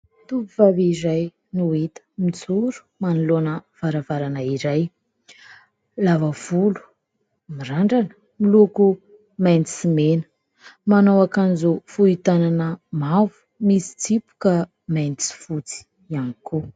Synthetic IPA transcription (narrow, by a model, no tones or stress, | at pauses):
t̪upuvavizaj | nuit̪ə̥mit͡suɾu̥manilonəv̥aɾavaɾanəiɾaj | lavəv̥ulu̥ | miɾaɳɖ͡ʐanə̥ | miluku | majnisimenə̥ | manowakanizufuit̪ananəmavu̥ | misi̥t͡sipu̥kə | majnt͡si̥fut͡si̥ | aniku